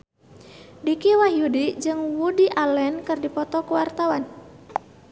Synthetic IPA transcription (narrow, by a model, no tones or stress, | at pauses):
dikiwahjudid͡ʒɨŋwudiʔalɛnkɨrdipɔt̪ɔkuwart̪awan